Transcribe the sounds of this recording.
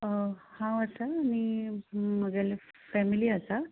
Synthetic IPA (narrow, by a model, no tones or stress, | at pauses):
hãəsaːni | məɡal | fɛmiliasa